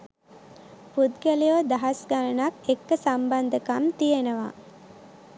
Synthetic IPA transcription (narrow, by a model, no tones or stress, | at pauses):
pud̪ɡəlijod̪aɦasɡanənakekːəsamband̪əkamt̪ijenəʋa̰